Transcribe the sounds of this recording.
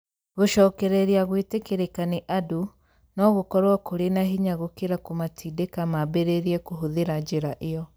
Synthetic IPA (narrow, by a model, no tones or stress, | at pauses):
ɣoʃɔːkɛɾɛɾiaɣwetekeɾekaneʔadu | nɔɣokɔɾwakoɾenaɦiɲaɣokeɾakomatʰiːdekamabeɾeɾiɛkoɦoðeɾad͡ʒeɾaʔejɔ